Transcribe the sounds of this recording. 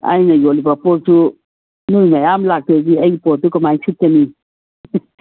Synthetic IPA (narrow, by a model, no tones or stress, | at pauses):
a̰jnajolibapɔsu | nujmajamlak̚teɡiɐjpɔtːukamajsʰit̚kani